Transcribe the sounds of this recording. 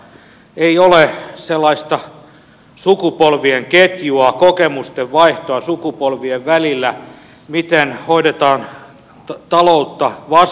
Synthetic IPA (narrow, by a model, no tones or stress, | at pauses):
eioleselːɑist̪ɑ | sukupolʋieŋket̪juɑkokemust̪eʋʋɑiht̪oɑsukupolʋieʋʋælilːæ | mit̪enhoidet̪ɑːn | t̪ɑlout̪ːɑʋɑs